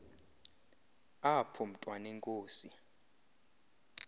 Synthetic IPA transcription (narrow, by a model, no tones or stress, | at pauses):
apʰɔm̩tʼwanɛŋkʼoːsi